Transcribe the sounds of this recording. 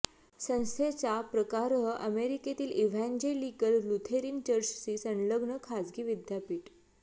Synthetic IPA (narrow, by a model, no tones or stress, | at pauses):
sə̃w̃st̪ʰet͡ɕapɾəkaɾɦəʔəmeɾiket̪iːliʋ̤æ̃nd͡ʑelikəllut̪ʰeɾiːnt͡ɕəɾt͡ɕt͡siːsə̃nləɡɳəkʰad͡zɡiːʋid̪ʱjapiːʈ